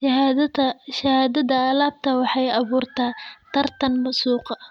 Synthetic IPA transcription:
ʃɐhaːd̪ɐðɐɐlaːb̚t̪ʰɐwɑħɑjɑβuːrt̪ʰaːt̪ʰɐrt̪ʰɐnmɐsuːqɑ

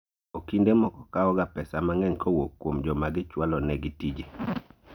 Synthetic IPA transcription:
okindemɔkɔkaɔɡapɛsamaŋɛŋkʰowokːwomd͡ʒɔmaɡɪt͡ʃwalɔnɛɡɪtid͡ʒe

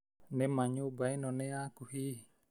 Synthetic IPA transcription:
nemaɲubainɔneakuhi

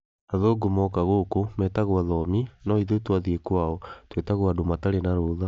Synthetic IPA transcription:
aðoɡomɔkaɣokomɛtaɣwaðɔminɔiðetwaðiekwaɔtwetaɣwadomataɾenaɾoːða

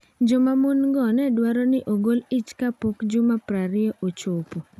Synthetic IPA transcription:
d͡ʒomamunɡɔnɛdwaɾɔnɪʔoɡolit͡ʃkapokd͡ʒumapɾaɾɪɔʔot͡ʃopo

